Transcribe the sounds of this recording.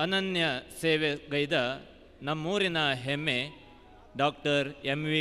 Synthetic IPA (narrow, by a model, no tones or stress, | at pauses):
ɐnɐnjɐseːʋeɡɐjd̪ɐ | nɐmːuːɾinɐɦemːe | ɖaːk̚ʈɐɾemʋi